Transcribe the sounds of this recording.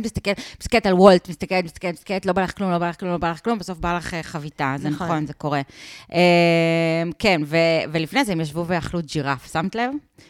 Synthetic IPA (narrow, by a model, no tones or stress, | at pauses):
mist̪akelpskeet̪alwoltmist̪akeletmist̪akeet̚psakeet̪lo̞balaχklumlo̞balaχklumlo̞balaχklumbesofbalaχeχavitazenaχonzeko̞ʁeʔe | mkenvevelifnezeemjaʃ̬vuveaχlud͡ʒiʁafsamt̪lev